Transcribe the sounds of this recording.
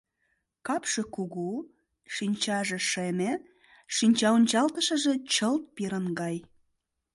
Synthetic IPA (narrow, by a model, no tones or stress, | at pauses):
kɑpʃekuɣu | ʃinʲt͡ɕɑʒĕʃeme | ʃinʲt͡ɕɑunʲt͡ɕɑlt̪əʃə̆ʒĕt͡ɕəlt̪̚piɾənɡɑj